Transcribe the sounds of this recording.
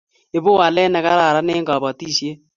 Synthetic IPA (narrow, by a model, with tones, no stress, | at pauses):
e˦bo˦a˨lɛ˦nɛ˨ka˦ɾa˨ɾa˦ne˦ŋɡa˨bɔ˨ti˦˨sje˦